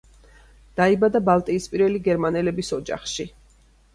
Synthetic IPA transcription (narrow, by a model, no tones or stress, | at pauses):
d̪̥aibad̪abalˠt̪ʼiːspʼiɾvɛliɡɛɾmanɛlɛbisɔd͡ʒa̰χʃi